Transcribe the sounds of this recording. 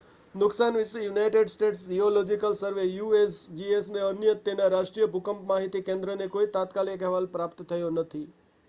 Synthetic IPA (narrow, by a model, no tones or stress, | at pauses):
nʊksanʋɪsejunajʈeɖsʈeʈsd͡ʒiolod͡ʒikəlsəɾʋejuesd͡ʒiesneənjət̪ːenaɾaʃʈɾijəbʱukəmpmaɦit̪ikẽnd̪ɾənekoit̪at̪kalikɦɛʋalpɾapt̪t̪ʰːəjonət̪ʰi